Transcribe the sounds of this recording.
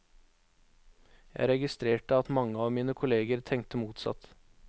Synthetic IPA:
jæ̰ɪɾɛɡɪst̪ɾeːʈəɑt̪mɑŋəɑːʋmiːnəkʰʊleːɡəɾt̪ʰɛŋ̚t̪əmuːt̪sɑ̰t̪

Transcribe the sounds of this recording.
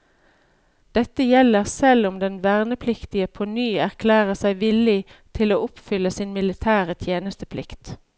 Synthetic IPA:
d̪̥ɛt̪əjɛləʁsɛlʊmd̪ɛnʋæʁnəpʰlɪkt̪ɪəpʰonyːæʁkʰlæːʁəsæɪʋɪlɪt̪ʰɪloːʔʊpfʏləsinmɪlɪt̪ʰæːʁət̪ʰjeːnəst̪əpʰlɪkt̪

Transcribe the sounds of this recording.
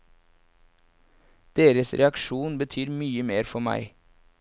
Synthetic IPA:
d̪̥eːɾəsɾʔɛ̰ɑkʃuːnbət̪ʰyːɾmyːəmeːɾfɔmæ̰ɪ

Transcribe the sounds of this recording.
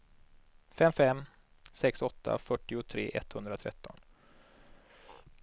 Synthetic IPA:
fɛmːfɛmː | sɛksɔt̪ʰːa̰fœʈːɪʊt̪ʰɾḛːʔɛt̪hɵnd̪ɾat̪ʰɾɛ̰t̪ːɔn

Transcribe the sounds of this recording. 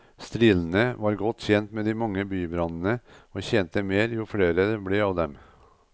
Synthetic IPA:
st̪ɾɪln̩əʋɑːɾɡɔt̪ːçɛnt̪meːd̪ɪmɑŋːəbyːbɾɑnənəoːçɛnt̪əmeːɾjʊfɽeːɾəblɛɑʋd̪ɛm

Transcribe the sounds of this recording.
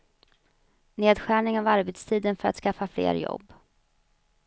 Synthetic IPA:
neːd̪ɧæːɳɪŋavaɾbɛt̪st̪ʰiːd̪ənfœɾa̰t̪skafːaflḛːɾjɔ̰bː

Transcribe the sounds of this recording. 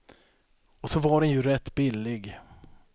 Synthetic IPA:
ɔsɔvaɖɛnjɵɾɛt̪ːbɪlːɪɡ

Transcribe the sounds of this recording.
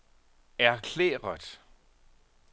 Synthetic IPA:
æɐkʰlḛːʁɐd̥

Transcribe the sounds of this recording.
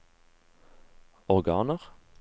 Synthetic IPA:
ɔʁɡɑ̰ːnəʁ

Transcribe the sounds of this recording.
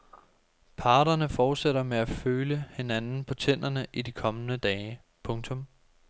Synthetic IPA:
pʰɑ̈ːɾ̥ɐnəfɒːd̥seɾɐmeæføːləhe̝nænn̩pʰɒ̽t͡sʰen̰̥ɐnəʔidikʰɒ̽mənəd̥ɛː | pʰɔ̽ŋt͡sʰɔ̽m

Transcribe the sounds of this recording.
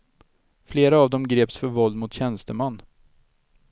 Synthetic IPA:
fleːɾaːvd̪ɔmɡɾeːpsfœɾvɔld̪mʊt̪ɕɛnst̪əmanː

